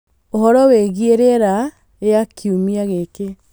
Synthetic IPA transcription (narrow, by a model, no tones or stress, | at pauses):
ohɔɾɔweɣieɾeɾa | eakʰiumiaɣeke